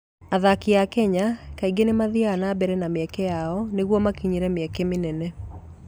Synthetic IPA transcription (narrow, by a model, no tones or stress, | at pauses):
aðakiakɛɲakaiɡenemaðianabɛɾɛnameɛkɛjaɔneɣwɔmakiɲeɾɛmɛkɛmenɛnɛ